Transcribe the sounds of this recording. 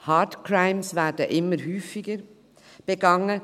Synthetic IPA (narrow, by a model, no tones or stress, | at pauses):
hɑːtkʰɾaɪmsvæːdəʔɪmːəɾɦyːfɪɡəɾ | b̥əɡɑŋə